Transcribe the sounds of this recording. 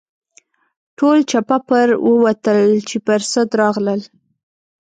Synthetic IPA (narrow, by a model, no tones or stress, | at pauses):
ʈolt͡ʃapapəɾwəwat̪əlt͡ʃepəɾsəd̪ɾɑɣləl